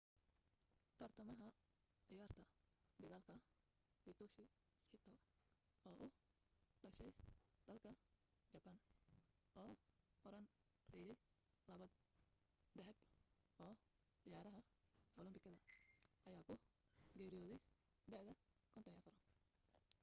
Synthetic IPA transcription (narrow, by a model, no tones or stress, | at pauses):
t̪ʰɐrt̪ʰɐmɐɦɐ | ʕɪjaːrt̪ʰɐd̪ɪɣaːlkʰɐ | ɪt̪ʰɔʃɪ | sħɪt̪ʰɔ | ɔːʔʊ | ɖɐʃɛjd̪̥ɐlkʰɐd͡ʒɐbɐn | ɔːɔɾɐn | rɛjɛj | lɐβɐd̪ | d̪ɛħɛb | ɔː | ʕɪjaːɾɐɦɐ | ɔlɪmbɪkʰɐðɐʔɐjaːkʰʊɡɛːɾɪjɔːðɛj | d̪ɛħðɐkʰɔnt̪ʰɔnɪɐfɐɾɔ